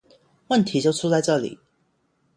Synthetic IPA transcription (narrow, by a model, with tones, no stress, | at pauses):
wə˥˨nt̪ʰi˨˥t͡ɕjo˥˩ʊʈ͡ʂʰu˥t͡sa˥˧ɪʈ͡ʂɤ˥˩lḭ˨˩˦